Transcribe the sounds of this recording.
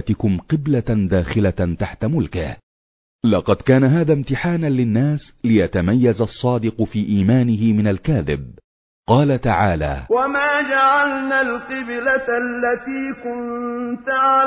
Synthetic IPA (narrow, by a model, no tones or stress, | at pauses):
t̪ɪkʊmqɪblad̪aːxɪlat̪aħt̪amʊlkɪh | lɑqɑd̪kaːnaɦaːðaːmt̪ɪħaːnalɪnːaːslɪjat̪amajːazɑsˤːɑːd̪ɪqfiːʔiːmaːnɪɦɪmɪnalkaːðɪ̰b̚ | qɑːlat̪aʕaːla̰ːwamaːd͡ʒaʕalnalqɨblalːat̪iːkʊnt̪ʕa